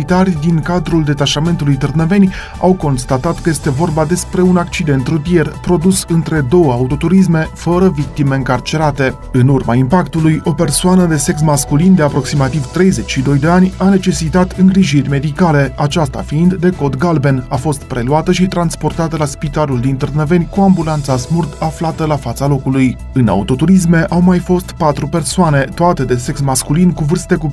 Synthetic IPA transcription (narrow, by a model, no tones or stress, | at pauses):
it̪arʲd̪iŋkad̪ɾuld̪e̞t̪aʃame̞nt̪ulujt̪ɨrnəve̞nʲ | a̰wko̞nst̪at̪at̪kəje̞st̪e̞vo̞rbad̪e̞spɾe̞unak̚t͡ʃid̪e̞nt̪ɾut̪ije̞rpɾo̞d̪usɨnt̪ɾe̞d̪o̞wəaut̪o̞t̪uɾis̬me̞fəɾəvik̚t̪ime̞ɨŋkart͡ʃe̞ɾat̪e̞ | ɨnurmaimpakt̪ulujo̞pe̞rsoanəd̪e̞se̞ksmaskulind̪e̞apɾo̞ksimat̪ivt̪ɾe̞jze̞t͡ʃʲʃid̪o̞jd̪e̞anʲane̞t͡ʃe̞sit̪at̪ɨŋɡɾiʒirʲme̞d̪ikale̞at͡ʃast̪a̰fiːnd̪ːe̞ko̞d̪ɡalbe̞nafo̞st̪pɾe̞luat̪əʃit̪ɾanspo̞rt̪at̪əlaspit̪aluld̪int̪ɨrnəve̞nʲkuambulant̪sasmurd̪aflat̪əlafat̪salo̞kuluj | ɨna̰ut̪o̞t̪uɾis̬me̞ʔawmajfo̞st̪pat̪ɾupe̞rsoane̞t̪oat̪e̞d̪e̞se̞ksmaskulinkuvɨrst̪e̞ku